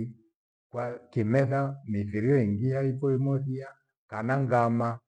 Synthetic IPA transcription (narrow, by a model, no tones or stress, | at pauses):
kwakimɛθamiθiɾiɔiŋɡijaipɔimɔθia | kanaŋɡama